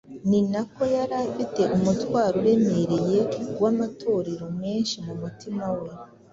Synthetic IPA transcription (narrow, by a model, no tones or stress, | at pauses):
ninako̞jaɾafite̞ʔumutwaːɾuɾe̞me̞ɾe̞je̞ɡwamatʰo̞ɾeɾo̞me̞ːnʃimumutimawe̞